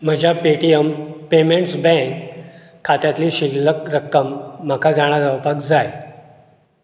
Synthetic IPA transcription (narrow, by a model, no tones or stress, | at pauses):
m̤əd͡ʑʱapeʈiəmpemeɳʈsbɛ̃kʰː | at̪jat̪liːɕiɡləkɾəkːəmːakʰad͡zaɽ̃aɾəʋpakd͡zaj